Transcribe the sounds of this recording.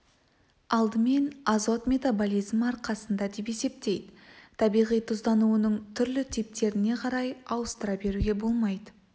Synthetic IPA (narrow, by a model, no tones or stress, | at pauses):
ɑlˠd̪əme̞nɑzo̞t̪mʲe̞t̪abolʲijzmɑɾqɑsənd̪ɑd̪e̞pe̞se̞p̚t̪e̞jd̪ɪt̪ʰɑbijʁijt̪ʰʊzd̪ɑnuənəɴt̪ʰʏɾlɪt̪ʰip̚t̪e̞ɾɪne̞qʰɑɾɑjɑwəst̪əɾɑbe̞ɾuɡʲe̞bo̞lˠmɑjd̪ə